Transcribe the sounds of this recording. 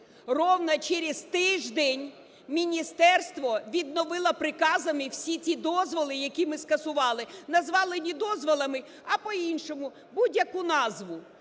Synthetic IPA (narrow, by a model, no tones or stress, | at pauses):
rɔwnɐt͡ʃɛɾʲɪzt̪ɪʒd̪ɛnʲ | mʲinʲist̪ɛrst̪ʋɔʋʲid̪nɔʋɪlˠɐpɾɪkɑzɐmɪwsʲit͡sʲid̪ɔzʋɔlˠɪjɐkʲimɪskɐsʊʋɑlˠɪnɐzʋɑlˠɪnʲid̪ɔzʋɔlˠɐmɪ | ɐpɔinʃɔmʊ | budʲjɐkunɑzʋʊ